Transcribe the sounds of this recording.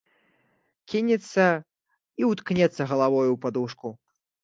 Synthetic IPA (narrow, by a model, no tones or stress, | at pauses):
kʲinʲɛt̪sːɐ | iwt̪knʲɛt̪sːɐɣɐlˠavɔjupad̪uʂku